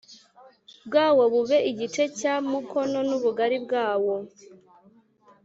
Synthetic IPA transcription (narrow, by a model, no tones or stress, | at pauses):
bɡaːwo̞βuβe̞ʔiɟite̞camukʰo̞no̞nuβuɡaɾib̚ɡaːwo̞